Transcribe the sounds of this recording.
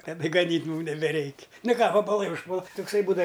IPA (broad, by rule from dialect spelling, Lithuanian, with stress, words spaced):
tɐˈdɐ ɡɐˈnʲiːtʲ ˈmuːm nʲɛbʲɛˈrʲɛɪkʲ ˈnʊ ˈkɑː ʋɐbɐˈlˠɐɪ ʊʃˈpuɔlˠɐ tʊkˈsɐɪ ˈbuːdɐw